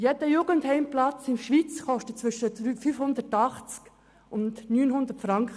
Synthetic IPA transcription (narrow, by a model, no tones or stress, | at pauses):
jɛdəjuːɡənthɛɪmplɑt͡sɪmʃʋit͡sχɔʃtət͡sʋʏʃətyfyːfhʊnd̪ərtɑχt͡sk | ʔʊndnyːnɦʊnd̪ətfɾɑŋkχə